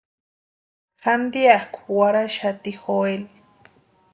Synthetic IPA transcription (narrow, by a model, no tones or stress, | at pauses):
xand̪iakʷu̥waɾaʃat̪ixoel